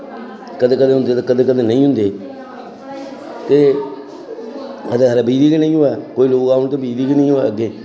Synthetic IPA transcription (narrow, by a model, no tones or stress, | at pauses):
kəd̪eːkəd̪ẽːɦʊ̃nd̪eːt̪ekəd̪eːkəd̪eːnəĩːɦʊ̃nd̪eː | t̪eː | əd̪eɡəɾaːbiːd̪iːkinə̃ĩːɦoɛːkoːiːloːkaːʊnt̪eːbiːd̪iːkiːnə̃ĩːɦoːɛ̰ːəɡːeː